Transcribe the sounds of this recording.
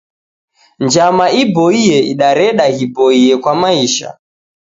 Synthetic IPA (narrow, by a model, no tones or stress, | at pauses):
nd͡ʒamaibɔijɛiɗaɾɛɗahibɔiɛkwamaiʃa̰